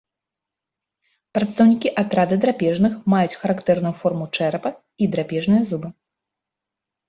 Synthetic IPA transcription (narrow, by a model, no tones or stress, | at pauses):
pɾɐt̪st̪ɐwnʲikʲiʔat̪ɾad̪ɨd̪ɾapʲɛʐnɨxmajut͡sʲxɐɾakt̪ɛrnujufɔrmut͡ʂɛɾpɐ | id̪ɾapʲɛʐnɨjɐzubɨ